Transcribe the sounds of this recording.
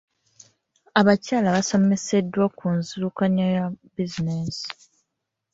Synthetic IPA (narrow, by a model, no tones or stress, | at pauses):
aβacaːlaβaso̞me̞se̞dːwakunziɾukaɲajabizinesi̥